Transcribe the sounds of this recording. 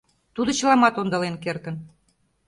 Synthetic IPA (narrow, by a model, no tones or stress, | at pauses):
t̪ud̪ɤ̆t͡ɕəlɑmɑt̪ond̪ɑlenkert̪ə̆n